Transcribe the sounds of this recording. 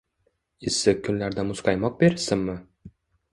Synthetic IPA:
ɪsɪkʲʰːʊnlaɾd̪amʊsqɑjmɒq̚beɾsɪmːɪ

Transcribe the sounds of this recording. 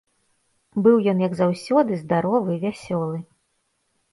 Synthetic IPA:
bɨwjɔnjɐɡzawsʲɔd̪ɨzd̪aɾɔvɨvʲasʲɔlˠɨ

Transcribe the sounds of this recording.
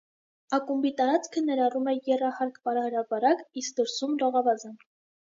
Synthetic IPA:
ɑkumbit̪ɑɾɑt͡skʰənɛɾɑrumɛjɛrɑhɑɾkpɑɾɑhəɾɑpɑɾɑkisk̚d̪əɾsumrɔʁɑvɑzən

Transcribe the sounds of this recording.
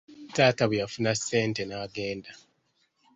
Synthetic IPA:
taːtaβujafunasːe̞ːnte̞naːɡe̞ːnda

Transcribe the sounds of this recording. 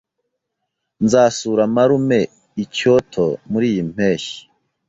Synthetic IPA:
nzaːsuːɾamaɾume̞ | icotʰomuɾiːjim̥eːʃi̥

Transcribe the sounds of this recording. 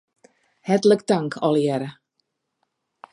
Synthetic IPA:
hɛtələkdaŋkʰɔlˠjɛɾə

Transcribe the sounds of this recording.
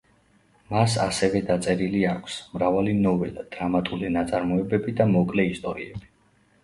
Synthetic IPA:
masa̰sɛvɛd̪at̪sʼɛɾiliakʰsmɾavalinɔvɛlad̪̥ɾamat̪ʼulinat̪sʼaɾmɔɛbɛbid̪amɔkʼlɛist̪ʼɔɾiɛ̰b̥i̥

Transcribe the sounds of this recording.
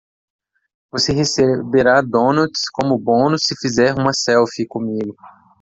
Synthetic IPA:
voseɦesebeɾad̪õnɐt͡ʃskõmʊbõnʊsːɪfizɛɾũmɐsɛwfikõmiɡʊ

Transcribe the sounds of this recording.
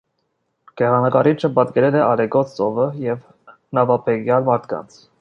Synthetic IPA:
ɡ̥ɛʁɑnɑkɑɾit͡ʃʰəpɑt̪kɛɾɛlɛʔɑlɛɡɔt͡sʰt͡sɔvəjɛv | nɑvɑpʰɛɡjɑlmɑɾt̪ʰkɑ̰nt͡sʰ

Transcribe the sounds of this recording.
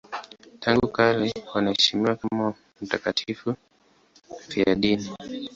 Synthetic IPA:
tʰaŋɡukalɛwanahɛʃimiwakama | m̩takatʰifu | fiaɗini

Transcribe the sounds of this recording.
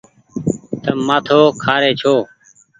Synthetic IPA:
t̪əmaːt̪ʰoːkʰaːɾeːt͡ʃʰoː

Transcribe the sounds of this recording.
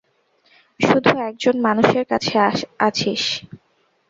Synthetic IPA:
ʃud̪ʱuɛk̚d͡ʑonmanuʃeɾkat͡ɕʰeat͡ɕʰiʃ

